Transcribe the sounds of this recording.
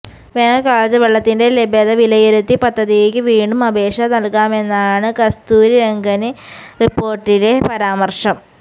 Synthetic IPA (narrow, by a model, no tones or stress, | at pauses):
ʋeːnɐlkaːɭɐt̪ːɨʋeɭːɐt̪ːinde̞lebeðɐʋilɐjeɾut̪ːipɐd̪ʱːɐðijeːkʲːɨʋiːɳɖumɐbe̞ːʂɐnɐlkaːme̞nːaːɳɨkɐst̪uːɾiɾeŋɡɐnɨripːo̞ːrʈːile̞pɐɾaːmɐrʂɐm